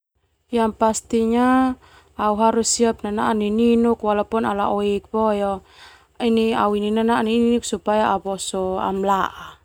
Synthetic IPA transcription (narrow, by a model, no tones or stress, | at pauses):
jampast̪iɲaː | uɦaɾusːiap̚nanaʔnininukwalapɔnala̰ʔɔik̚pɔjɔ | inia̰uininananininuksupajaaβɔsɔa̰mlaʔa